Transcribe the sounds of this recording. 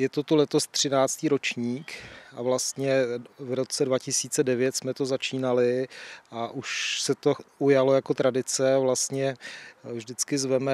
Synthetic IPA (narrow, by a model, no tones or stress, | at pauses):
jɛt̪ot̪ulɛt̪o̞st̪r̝̥ɪnaːt͡st̪iːɾot͡ʃɲiːkʔa̰vlast̪ɲɛvɾo̞t͡sɛdvacɪsiːt͡sɛdɛvjɛt̪smɛt̪o̞zat͡ʃiːnalɪʔaʔuʃsɛt̪o̞ujalo̞jako̞t̪ɾadɪt͡sɛavlast̪ɲɛvʒdɪt͡skɪzvɛmɛ